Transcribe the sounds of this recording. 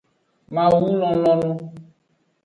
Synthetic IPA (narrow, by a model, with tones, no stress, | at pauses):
mã˨wu˦lɔ̃˨lɔ̃˦lɔ̃˦